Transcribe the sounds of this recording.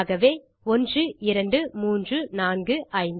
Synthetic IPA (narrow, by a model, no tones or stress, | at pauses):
ɣɐʋeː | ɔndrɯɪɾɐɳɖɯmuːndrɯnaːnɡɯʔɐɪnd